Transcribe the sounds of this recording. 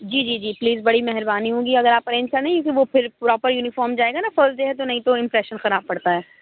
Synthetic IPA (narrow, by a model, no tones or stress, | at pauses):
d͡ʒiːd͡ʒiːd͡ʒiːpliːzbɐɽimɛɦɛɾbaːniɦõːɡiɐɡəɾaːpɐɾẽːnst͡ʃanẽkjũːkiʋopʰɪɾpɾɔːpəɾjuːnɪfɔːɾmd͡ʒaːeːɡanafəɾsʈɖeɦɛt̪onɐɦĩt̪oɪ̃mpɾɛːʃənxɐɾaːb̚pɐɽt̪aɦɛː